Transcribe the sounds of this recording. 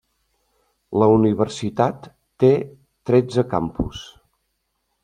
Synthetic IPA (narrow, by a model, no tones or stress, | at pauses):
ləuniβ̞ərsit̪at̪ː | e | t̪ɾɛd͡zəka̰mpṵs